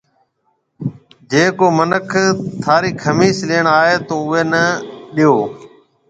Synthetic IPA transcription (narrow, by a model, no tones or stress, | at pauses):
d͡ʒeːkoːmənəkʰt̪ʰaːɾiːkʰəmiːsleːɳaːɦeːt̪oːʊeːnəɗɪjoː